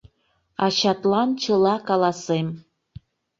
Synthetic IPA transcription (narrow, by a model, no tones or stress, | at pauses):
ɑɕɑt̪lɑnt͡ɕə̆lˠɑkɑlˠɑsem